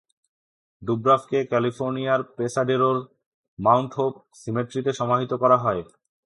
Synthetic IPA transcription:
ɖubɾafkekɛlifoɾnijaɾpesaɖeɾoɾ | mawɳʈɦop | simeʈɾit̪eʃɔmaɦit̪okɔɾaɦɔe

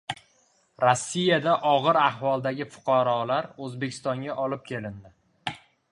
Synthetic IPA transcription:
ɾɒsːijad̪aʔɒʁɨɾahvɒlˠd̪aɡʲɪfʊ̥qʰɑɾɒlaɾɵzbe̞kʲʰɪ̥st̪ɒŋɡʲaʔɒlɪp̚kʲʰe̞lɪnd̪ɪ

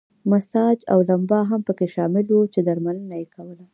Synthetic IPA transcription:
masɑd͡ʒa̰wlambɑɦampəkeʃɑmɪlwut͡ʃed̪aɾmanənajekʰawəla

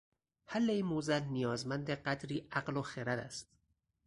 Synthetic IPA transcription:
hælːeiːnmozælnijɒːzmænd̪eɢæt̪ɾiːʔæqloxeɾæd̪æ̰st̪

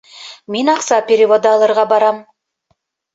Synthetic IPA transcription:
menɑqsɑpʲeɾʲɪvod̪əɑlˠɤ̆ɾʁɑbɑɾɑm

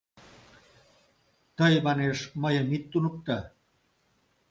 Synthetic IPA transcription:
t̪ɐjmaneʂmɐjemit̪ːunuk̚t̪ɐ

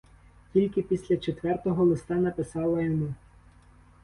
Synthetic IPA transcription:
kʲilʲkɪpʲisʲlʲɐt͡ʃet̪ʋɛrt̪ɔɦɔlˠɪst̪ɑnɐpɪsɑlˠɐjɔmu

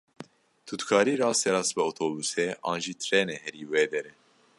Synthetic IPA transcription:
t̪ʰut̪kʰɑːɾiːɾɑːsɛɾɑːsbɛoːt̪ʰoːbusɛɑ̰ːnʒiːt̪ʰɾɛːnɛhɛɾiːweːd̪ɛɾɛ

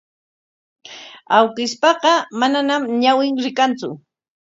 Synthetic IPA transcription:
awkɪspɑɢɑmananamɲawɪŋɾɪkant͡sʊ̰

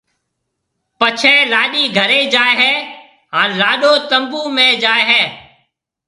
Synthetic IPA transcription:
pət͡ʃʰɛ̃ːlaːɗiːɡʱəɾeːd͡ʒaːeɦɛː | ɦãːlaːɗoːt̪əmbuːmẽːd͡ʒaːeɦɛː

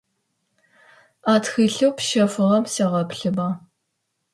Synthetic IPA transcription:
aːtxɨːɬɨwpʃɐfɨʁɐmsɐʁɐpɬɨba

